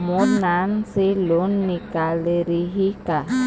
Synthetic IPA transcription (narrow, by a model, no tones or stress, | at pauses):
monanselonːikaleɾiɦika